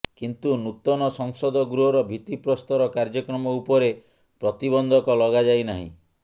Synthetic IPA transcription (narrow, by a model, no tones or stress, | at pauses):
kint̪unut̪ɔnɔsɔŋsɔd̪ɔɡɾuɦɔɾɔbʱit̪ipɾɔst̪ɔɾɔkaɾd͡ʒɔkɾɔmɔupɔɾe | pɾɔt̪ibɔnd̪ʱɔkɔlɔɡad͡ʒajnaɦḭ̃